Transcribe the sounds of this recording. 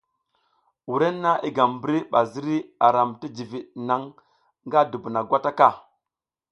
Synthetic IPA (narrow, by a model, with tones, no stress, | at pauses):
wu˨ɾe˦nːa˦i˦ɡa˨mbɾi˦ɓa˨zi˦ɾi˦a˨ɾa˨mti˦d͡ʒi˨vi˨ɗna˨ŋ | ŋɡa˦du˨bu˨na˨ɡʷa˦ta˦ka˦˨